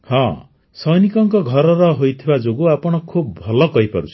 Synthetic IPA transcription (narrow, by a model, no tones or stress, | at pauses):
hʌ̃ | sʌjnikʌŋkʌɡʱʌɾʌɾʌɦojt̪ʰebad͡zoɡuapʌɽ̃ʌkʰubːʱʌlʌkʌjpʌɾut͡sʰ